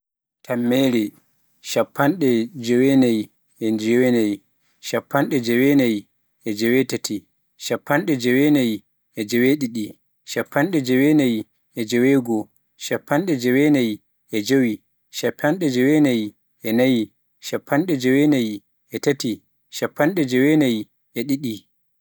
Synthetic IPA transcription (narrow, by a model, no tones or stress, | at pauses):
tʰamːɛɾɛ | ʃapʰːanɗɛd͡ʒɛwɛnaj | ɛnd͡ʒɛwɛnaj | ʃapːanɗɛd͡ʒɛwɛnaj | ʔɛd͡ʒɛwɛtatʰi | ʃapːanɗɛd͡ʒɛwɛnaj | ʔɛd͡ʒɛweɗiɗi | ʃapːanɗɛd͡ʒɛwɛnaj | ʔɛd͡ʒɛwɛɡɔ | ʃapʰːanɗɛd͡ʒɛwɛnaj | ʔɛd͡ʒowi | ʃapʰːanɗɛd͡ʒɛwɛnaj | ɛnaji | ʃapʰːanɗɛd͡ʒɛwɛnaj | ʔɛtati | ʃapːanɗɛd͡ʒɛwɛnaj | ɛɗiɗi